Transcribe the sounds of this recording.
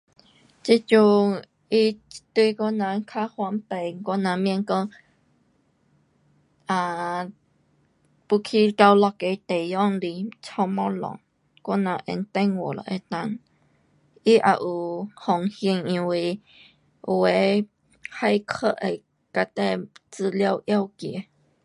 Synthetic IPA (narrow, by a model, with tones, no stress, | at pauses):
t͡ʃi˦t͡ʃu˧ | i˦t̪wi˧ko˦nã˧kʰa˦hwa˧mpe˨kɔ˦nã˧mjɛ̃˧ŋko˧˦ | ã˨ | pu˧kʰi˦ka˧wlɔ˧ke˧t̪e˨jɔ˦˨ŋli˧t͡sɔ̃˧mɔ̃˦lɔ̰̃˨ | kɔ˦nã˧ʔḛ˧˨nt̪ɛ˧ŋwo˨lɔ̰˨ʔe˧t̪a˧˨n | ʔi˦ʔa̰˨ʔu˨hɔ˨ŋhjə˧ŋĩ˧wi˧ | we˨˦ | ha˦˧jkʰə˦˧ʔe˧˨j | ka˧t̪ɛ˧˨t͡sɨ˧˨lja˧wʔja˧˨wkje˨